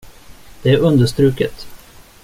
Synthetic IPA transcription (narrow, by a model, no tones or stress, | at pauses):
d̪̥ɛæɾɵnd̪əʂt̪ɾʉ̟ːkət̪